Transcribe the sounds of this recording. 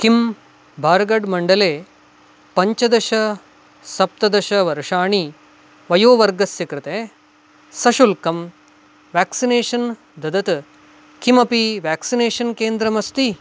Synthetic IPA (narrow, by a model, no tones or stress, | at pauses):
kim | bʱaːɾɡɐɖmɐɳɖɐleː | pɐɲt͡ʃɐd̪ɐʃɐ | sɐp̚t̪ɐd̪ɐʃɐʋɐɾʂaːɳi | ʋɐjoːʋɐɾɡɐsjɐkɾɪt̪e | sɐʃulkɐm | ʋaːksineːʂɐn | d̪ɐd̪ɐt̪ | kimɐpiʋaːksineːʂɐnkeːnd̪ɾɐmɐst̪i